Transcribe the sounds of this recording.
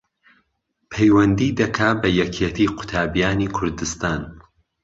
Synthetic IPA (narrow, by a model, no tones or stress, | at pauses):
pʰejwɐnd̪iːd̪ɐkʰabɐjɛkʰet̪ʰiːqʰʊ̥t̪ʰaːbijaːniːkʰʊɾd̪ɨst̪aːn